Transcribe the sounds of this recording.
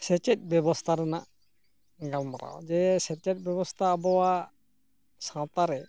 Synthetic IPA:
sɛt͡ʃɛt̪̚bjɛbɔst̪ʰaɾɛna̰ʔ | ɡamːaɾa̰wd͡ʒɛsɛt͡ʃɛt̚ˀbjɔbɔst̪ʰaːbɔwa | sãt̪aɾɛ

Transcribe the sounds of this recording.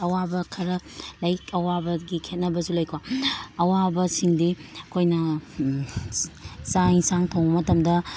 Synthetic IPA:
ɐwabɐkʰɐɾɐlɐjkʰɐwabɐɡikʰet̚nɐbɐsulojkʰwaɐwabɐsiŋdiɐkʰojnɐ | sajsaŋtʰɐwmɐtɐmdɐ

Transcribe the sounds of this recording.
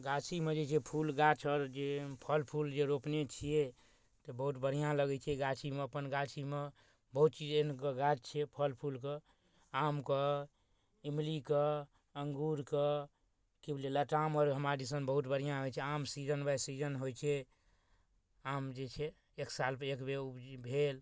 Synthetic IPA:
ɡat͡ʃʰimed͡ʒet͡ʃʰɛpʰulɡat͡ʃʰɔɾd͡ʒepʰəlpʰuld͡ʒeɾopnet͡ʃʰije | t̪ɔbəɦut̪bəɾ̤ijãləɡɛt͡ʃʰɛɡat͡ʃʰimeəpənɡat͡ʃʰime | bəɦut̪t͡ʃid͡ʒenkəɡat͡ʃt͡ʃʰɛpʰəlpʰulkə | amkə | imlikə | əŋɡuɾkə | kibleləʈamɔɾɦəmɾad͡ʒisənbəɦut̪̚bəɽ̤ijãɦojt͡ʃʰɛamsid͡ʒənbasid͡ʒənɦojt͡ʃʰɛ | amd͡ʒet͡ʃʰɛː | ksalpekbeubʱel

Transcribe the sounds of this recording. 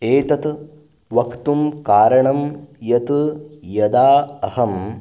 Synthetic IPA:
eːt̪ɐt̪ | ʋɐkt̪umkaːɾɐɳɐmjɐt̪ujɐd̪aːɐhɐm

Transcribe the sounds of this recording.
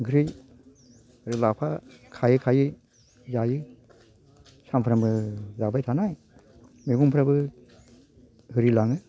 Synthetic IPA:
ɡɾɯj | ɾɯlapʰakʰajɯkʰajɯ | zajɯ | sampʰɾambɯzabajtʰanaj | miɡumpʰɾabɯ | hɯɾilaŋɯ

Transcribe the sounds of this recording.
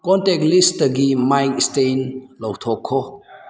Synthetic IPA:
kɔntɛk̚listəɡimajnistenlɔwt̪ʰɔkʰɔ

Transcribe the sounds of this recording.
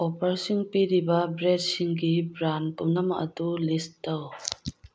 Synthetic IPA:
opɐɾsiŋpiɾibɐbɾed̚siŋɡibɾanpumnɐmɐkɐdulisdaw

